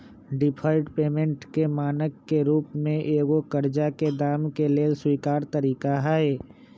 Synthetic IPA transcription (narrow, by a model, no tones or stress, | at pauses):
ɖɪpʰaːɪʈpeːmẽɳʈkemaːnəkːeɾuːpmẽʔeːɡokəɾd͡ʒaked̪aːmkeleːlswiːkaːɾt̪əɾiːkaɦae